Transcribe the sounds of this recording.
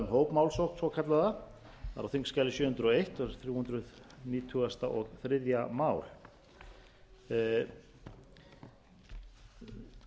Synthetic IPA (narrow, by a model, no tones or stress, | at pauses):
mɦoːwpmawlsowknsɔkʰat̪laða | θa̰ɾawθiŋkskaːjlɪsjʏːhʏnt̪ɾʏɔejht̪ɔɾθɾjuːhʏnt̪ɾʏðniːt̪ʰuɣast̪aʔɔɣθɾɪðjamaːwl̥